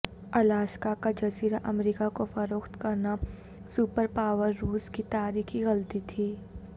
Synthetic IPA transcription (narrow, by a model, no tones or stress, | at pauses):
ɐlaːskakad͡ʒɐziːɾaʔɐmɾiːkakofɐɾoːxt̪kɐɾna | supəɾpaːwəɾːuːskit̪aːɾiːkiɣɐlt̪it̪ʰiː